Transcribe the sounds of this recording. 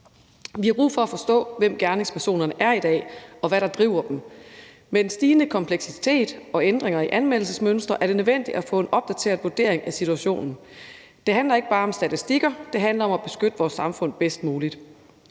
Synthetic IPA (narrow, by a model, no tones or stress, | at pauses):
ʋihɑ̈b̥ʁṵːfɒ̽æfɒ̽sd̥ɔ̰̽ːʋem̰ɡ̥æɐne̝ŋspʰæɐso̝̰ːnɐnəʔæɐid̥ɛ̰ːɒ̽ʋæɾɑ̈d̥ʁiʊ̰ɐd̥m̩ | mensd̥iːnəkʰɒ̽mpʰleɡ̥sit͡sʰe̝̰ːd̥ɒ̽end̥ʁeŋɐiʔænmel̰l̩səsmønsd̥ʁɐʔæɐɾ̥e̝nøʋen̰d̥id̥æfɔ̰̽ːe̝nʔɒ̽b̥̚d̥æt͡sʰe̝̰ːɐ̰ʋuɐd̥e̝ɐ̰eŋæsit͡sʰuæɕo̝̰ːnn̩ | d̥e̝ɦænlɐe̝ɡ̥əb̥ɑ̈ːɒ̽msd̥æt͡sʰisd̥iɡ̥ɐd̥e̝ɦænlɐɒ̽mæb̥e̝sɡ̥ød̥əʋɒːsːɑ̈mfɔ̽n̰b̥esd̥muːlid̥